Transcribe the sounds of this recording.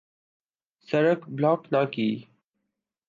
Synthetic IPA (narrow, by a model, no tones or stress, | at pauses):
səɾəkblaːknaːkiː